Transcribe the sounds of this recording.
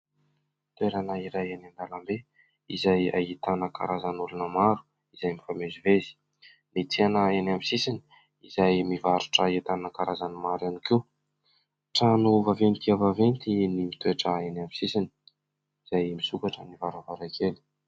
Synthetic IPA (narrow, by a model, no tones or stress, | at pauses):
t̪weɾanaiɾajenand̪alambe | izaja̰it̪anəka̰ɾazanulunəmaɾu̥ | izajmifamezivezi̥ | mit͡sianəenamisisini̥ | izajmivaɾuʈ͡ʂəet̪anəkaɾazanimaɾanikew | ʈ͡ʂanuvavent̪iavavent̪inimit̪weʈ͡ʂəenamisisini̥ | izajmisukaʈ͡ʂə̰nivaɾavaɾakʰeli̥